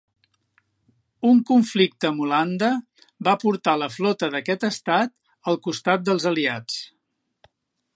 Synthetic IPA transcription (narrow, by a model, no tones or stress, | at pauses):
uŋkuɱflik̚t̪əmuland̪ə | bapuɾt̪aləflɔt̪əðəkɛt̪əst̪at̪̚ | əlˠkust̪at̪̚d̪əlˠzəliat͡s